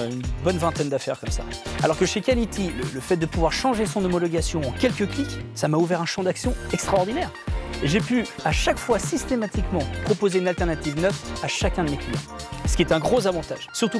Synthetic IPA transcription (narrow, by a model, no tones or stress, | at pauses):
ynbɔnvɛ̃t̪ɛnd̪afɛʁkɔmsa̰a̰lɔʁkəʃekʲalit̪ʰilə̰ləfɛt̪̚d̪əpuvwaʁʃɑ̃ʒesɔ̃nɔmɔlɔɡʲasjɔ̃ɑ̃kʲɛlkəkliksamauvɛʁɛ̃ʃɑ̃d̪aksjɔ̃ɛkst̪χaɔʁd̪inɛʁeʒepyaʃakfwasist̪emat̪ikmɑ̃pχɔpozeynalt̪ɛʁnat̪ivnœfaʃakʲɛ̃d̪əmeklijɑ̰̃sə̥kʲɛt̪ɛ̃ɡʁozavɑ̃t̪a̰ʒsyʁt̪u